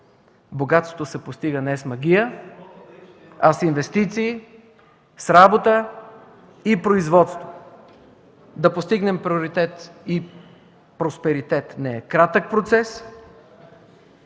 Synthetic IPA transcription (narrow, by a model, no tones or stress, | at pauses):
boɡat̪st̪ot̪osɛpost̪iɡənɛsmɐɡ̟ʲijə | ɐsinvɛst̪it̪siː | sɾabot̪ə | ipɾoizvɔt̪st̪vo | d̪ɐpost̪iɡnɛmpɾioɾit̪ɛt̪i | pɾospɛɾit̪ɛt̪nɛɛkɾat̪ək̚pɾot̪sɛs